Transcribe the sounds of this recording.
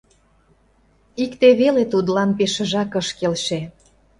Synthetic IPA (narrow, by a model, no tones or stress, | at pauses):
ikt̪eβelet̪ud̪lɑnpeʃə̆ʒɑkəʃkelʃe